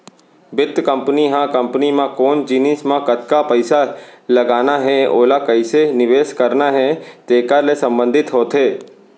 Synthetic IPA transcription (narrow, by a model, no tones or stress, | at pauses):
bɪt̪ːkə̃mpniɦãkə̃mpnimãkoːnd͡ʒiːniːsmãkət̪kapəɪsalɐɡaːnaɦɛ̃o̰ːlakɐɪsenɪʋeːskəɾnaɦɛ̃t̪eːkaɾlesɐ̃mbə̃nd̪ʱɪt̪ɦoːt̪ɦeː